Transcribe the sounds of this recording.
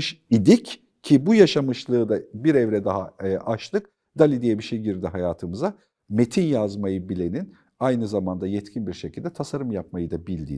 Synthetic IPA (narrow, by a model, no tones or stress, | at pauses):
ʃid̪ic | cʰːibujaʃamɯʃlˠɯːd̪abiɾɛvɾɛd̪aɦaʔaʃlˠɯk | d̪̥alʲid̪ijɛbiʃejɟiɾd̪iɦajaːt̪ʰɯmɯza | met̪ʰinjazmajɯbilʲe̞nin | ajnɯzamand̪ajɛt̪cʰinbiɾʃecʰilʲd̪ɛt̪ʰasaɾɯmjap̚majɯd̪abilʲd̪ḭː